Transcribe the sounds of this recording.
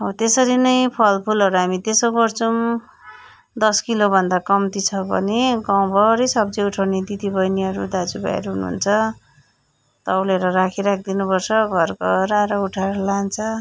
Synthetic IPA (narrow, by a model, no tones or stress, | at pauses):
ɦot̪esʌɾinʌjpʰʌlpʰulʌɾuɦamit̪esoɡʌrt͡sʰʌm | d̪ʌskilobʱʌnd̪akʌmt̪it͡sʰʌbʌ̰neɡaw̃bʱʌɾijsʌbd͡zʌuʈʰʌwned̪it̪ibʌjniʌɾud̪ad͡zuba̰ḛɾʌɦunuɦṵnt͡sʰʌ | t̪ʌwleɾʌrakʰiɾak̚ʰd̪inupʌrt͡sʰʌɡʱʌrkoɾaɾʌuʈʰaɾʌlant͡sʰʌ